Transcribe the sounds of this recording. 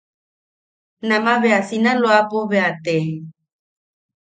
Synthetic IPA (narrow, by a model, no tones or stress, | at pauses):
namaβeasinaloapoβeat̪e